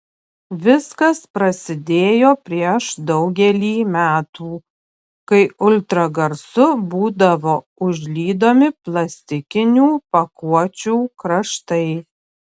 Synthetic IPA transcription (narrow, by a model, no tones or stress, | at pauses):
ʋʲɪskɐspɾɐsʲɪd̪ʲeːjoːpʲɾʲiɛʃd̪ɒʊɡʲɛlʲiːmʲæːt̪uː | kɐɪʊlʲt̪ɾɐɡɐɾsʊbuːd̪ɐʋoː | ʊʒʲlʲiːd̪oːmʲɪplˠɐsʲt̪ʲɪkʲɪnʲuːpɐkuɔt͡ʃʲuːkɾɐʃt̪ɐɪ